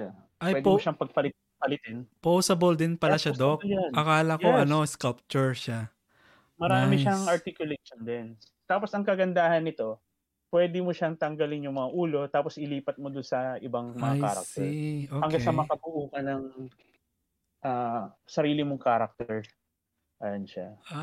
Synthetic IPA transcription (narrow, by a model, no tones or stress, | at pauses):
a | pajɛd̪omoʃɐŋpɐɡ̚pɐlɪ | pɐlɪt̪ɪnposɐbold̪ɪnpɐlaʃad̪okjanʔɐkaːlɐkjoɐnoskɐlp̚t͡ʃʊɹʃa | mɐɾaːaːmɪʃaŋɐɾt̪ɪkjʊleʃond̪ɛn | t̪aːpo̞sɐŋkɐɡɐnd̪aːhɐnːɪt̪o̞ | pwɛːd̪ɪmoʃɐŋt̪ɐŋɡɐlɪŋjʊŋmɐŋaʔuːlo̞t̪aːpo̞sʔɪliːpɐt̪̚mod̪ʊnsɐʔɪbaŋmɐŋaka̰ːɾɐ̰k̚t̪ɛʔoːhɐŋɡasɐmɐɐkɐbʊʔuːkɐnɐŋ | ʔaːsɐɾiːlɪmoŋkaːɾɐk̚t̪ɛɹ | ʔɐjɐnʃa̰ʔa